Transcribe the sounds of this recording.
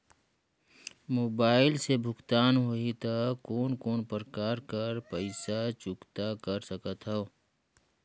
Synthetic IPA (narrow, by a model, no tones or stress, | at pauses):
moːbaːɪlsebʱʊkt̪aːnɦoit̪akoːnkoːnpɾkaːɾkəɾpəɪsat͡ʃʊkt̪akəɾsəkət̪ɦɛo